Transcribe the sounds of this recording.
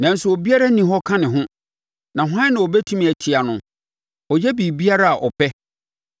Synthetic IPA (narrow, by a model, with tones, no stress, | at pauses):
nã˨n̩˦sʊ˨o˨bi˦a˦ɾa˦nĩ˨ɦɔ˦kʰã˦nɪ̃˨ɦʊ̃˦ | nã˨ɦʷã˦nã˨ɔ˨bɛ˦tʰũ˦m̃˨æ˨tʰɪ˨a˨nʊ̃˨ | ɔ˨jɛ˦bi˨bi˦a˦ɾa˦a˨ʔɔ˨pʰɛ˦